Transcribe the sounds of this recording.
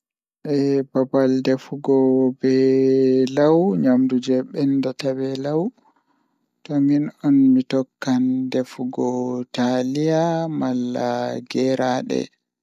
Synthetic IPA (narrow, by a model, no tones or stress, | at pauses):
ʔɛbabaldefuɡɔbɛ | lawɲamdud͡ʒɛɓɛndɔtabɛlaw | tɔminɔnmitɔkːandefuɡɔtalijamalːaɡɛɾaɗɛ̰